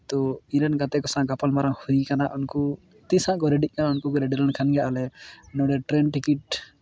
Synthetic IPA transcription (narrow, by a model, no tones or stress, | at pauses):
t̪ɔilanɡat̪ɛkɔsãɡapalmaɾaŋhuikanaʔunku | t̪ĩsãʔkɔɾɛɖit̪̚ˀkanaunkukɔɾɛɖiɾankʰanɡjaʔalɛnɔ̃ɖɛʈɾɛnʈikiʈ̚